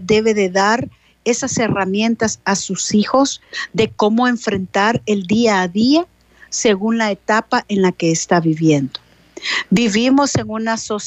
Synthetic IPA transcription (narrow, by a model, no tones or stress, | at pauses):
d̪e̞βe̞ðe̞ðaɾ | e̞sase̞ramje̞nt̪asasusixo̞zðe̞ko̞mo̞e̞ɱfɾe̞nt̪aɾe̞ld̪iaːðia | se̞ɣunlae̞t̪apaʔe̞nlake̞ːst̪aβiβje̞nd̪o̥ | biβimo̞se̞ŋunasos